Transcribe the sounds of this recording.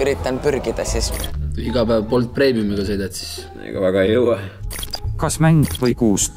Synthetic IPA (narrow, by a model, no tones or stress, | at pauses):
yɾit̪ːˑɑnpyɾɡid̪̥ɑsist̪yiɡ̥ɑpæːvpo̞lt̪̚pre̞ːmiumiɡ̥ɑsejd̪ɑt̪si̥s | ḛɡ̥ɑ̰væɡ̥ɑjɤwɑ | kɑsmæŋɡvəjkuːs